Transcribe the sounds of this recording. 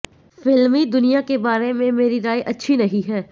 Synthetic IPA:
fɪlmid̪ʊnijakebaːɾemẽmeːɾiɾaːjʔɐtːʃʰinɐɦĩɦɛː

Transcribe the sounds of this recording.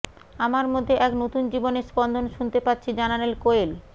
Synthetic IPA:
amaɾmod̪ʱːeʔɛknot̪und͡ʑiboneɾspɔnd̪ʱonʃunt̪epatːɕʰid͡ʑananelkoel

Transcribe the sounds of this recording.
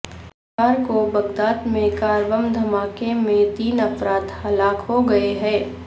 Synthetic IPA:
aːɾkobɐɡd̪aːt̪mẽkaːɾbəmd̪ʱɐmaːkemẽt̪iːnɐfɾaːt̪hɐlaːkɦoɡɐeɦɛː

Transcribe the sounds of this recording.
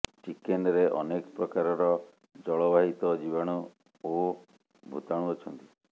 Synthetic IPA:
t͡ʃikenɾeʔɔ̰nekɔpɾɔkaɾɔɾɔ | d͡ʒɔɭɔbaɦit̪ɔd͡ʒibaɽ̃u | o | bʱṵt̪aɽ̃uɔt͡ʃʰɔnt̪i

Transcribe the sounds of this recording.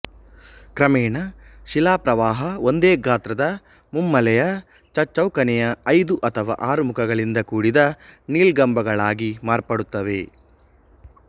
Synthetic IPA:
kɾɐmɛːɳɐʃilaːpɾɐʋaːɦɐʋo̞nd̪eːɡaːt̪ɾɐd̪ɐ | mumːɐlɛjɐ | t͡ʃɐt͡ʃːɐwkɐnɛjɐɐjd̪uʔɐt̪ʰɐʋa̰ːʔaːɾumukʰɐɡɐɭind̪ɐkuːɽid̪ɐniːlɡɐmbɐɡɐɭaːɡimaːɾpɐɽut̪ːɐʋḛ

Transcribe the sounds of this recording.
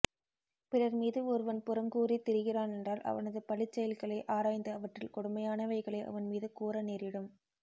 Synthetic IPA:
pɪrɐɾmiːðɯɔɾɯʋɐnpʊɾɐmɡuːrit̪ɪɾɯɣɪraːnɛndraːlʔɐ̰ʋɐnɐðɯpɐɭɪt͡ʃːɛjɐlɣɐɭɐɪʔaːɾaːjnd̪ɐɐʋɐʈrɪlkɔɽɯmɐjaːnɐʋɐɪɣɐɭɐɪʔɐ̰ʋɐnmiːðɯkuːɾɐneːɾɪɽɯm

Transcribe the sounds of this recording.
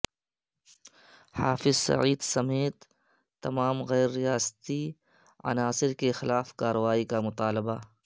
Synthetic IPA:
haːfɪzsɐ̰ʕiːd̪sɐmeːt̪ː | ɐmaːmɣɛːɾːijaːst̪i | ɐ̰naːsɪɾkexɪlaːfkaːɾəʋaːikamʊt̪aːlɪba

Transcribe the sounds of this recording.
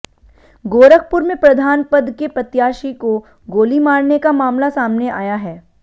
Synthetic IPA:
ɡoːɾək̚ʰpʊɾmẽpɾɐd̪ʱaːnpɐd̪kepɐt̪jaːʃiko | ɡoːlimaːɽnekamaːmlasaːmneʔaːjaɦɛː

